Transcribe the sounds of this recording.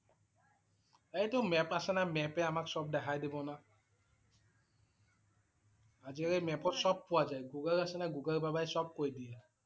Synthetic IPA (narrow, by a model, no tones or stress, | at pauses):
ejtʊmɛpasɛnamɛpɛamaksɔb̚dɛkʰajdibɔna | aziaɹɛmɛpɔtsɔb̚ːʊwazajɡuɡəlasɛnaɡuɡəlbabajsɔb̚kojdiɛ